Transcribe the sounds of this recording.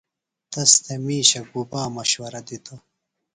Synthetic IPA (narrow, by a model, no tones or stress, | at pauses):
t̪ɐst̪ʰemiːɕɐɡubaːmɐɕwɐɾɐd̪it̪ʰo